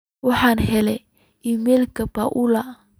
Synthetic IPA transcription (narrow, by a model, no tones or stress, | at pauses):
wɑħɑːnɦɛlɛ | ʔiːmɛːlkʰɐbaʔulɐ